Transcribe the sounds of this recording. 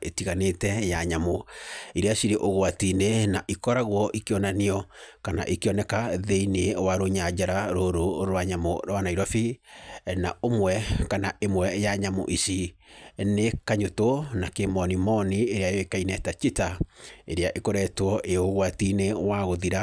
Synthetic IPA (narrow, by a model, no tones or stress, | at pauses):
etiɣanetɛjaɲamoiɾeaʃiɾeʔoɣwatinenaʔikɔɾaɣwɔʔikeɔnaniɔkana̰ʔikeɔnɛkaðeinewaɾoɲad͡ʒaɾaɾoɾoɾɾwaɲamoɾwanaiɾɔfi | naomwɛkanaemwɛjaɲamo̰ʔisi | nekaɲotonakemɔnimɔnieɾeajɔekainɛtat͡ʃitaeɾeaʔekoɾɛtwɔʔeoɣwatinewaɣoðiɾa